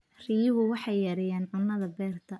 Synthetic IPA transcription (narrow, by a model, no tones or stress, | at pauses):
riːβʊwɑħɑjːɐɾɛjaːnʕʊnːɐðɐbɛːrt̪ʰɐ